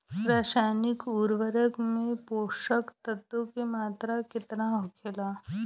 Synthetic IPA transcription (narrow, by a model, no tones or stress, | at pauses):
ɾaːʃaːnɪkuːɾʋəɾəkmẽpoːʃəkt̪ɐt̪ːõkemaːt̪ɾakɪt̪naɦokʰelaː